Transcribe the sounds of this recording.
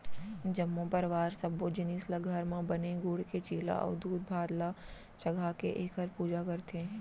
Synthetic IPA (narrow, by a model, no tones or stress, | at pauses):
d͡ʒɐmːõpɐɾʋaːɾsɐbod͡ʒɪniːslaɡʱɐɾmãbɐneɡʊːɽkʰet͡ʃiːla̰ʔɔ̰ːd̪uːd̪̚bʱaːd̪la | t͡ʃɐɡʱaːkḛʔeːkʰəɾpuːd͡ʒakɐɾt̪ʰẽː